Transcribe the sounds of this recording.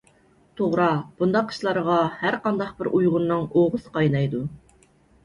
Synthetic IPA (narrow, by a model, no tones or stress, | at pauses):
t̪ʰoʁɾɑb̥und̪ɑqːə̥ʃlˠɑɾəʁɑhæɾqɑnd̪ɑq̚bɪɾʔujʁʊnːɨŋoʁʊsɨ̥qʰɑjnɑjd̪u